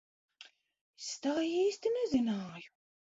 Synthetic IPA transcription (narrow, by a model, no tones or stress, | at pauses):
est̪aːjiːsʲt̪inɛzinaːju